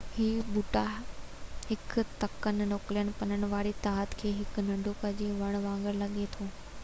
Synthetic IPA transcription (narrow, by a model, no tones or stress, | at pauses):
hiːbʊʈa | hɪkt̪ɐkənɪnoːklijəñɪ̆pɐnəɽ̃ɪ̆ʋaːɾit̪aːɦət̪kʰeːɦɪknɐ̃ɳɖʱopɐd͡ʑiːʋɐɽ̃ʋãːŋɡəɾlɐɠet̪ʰoː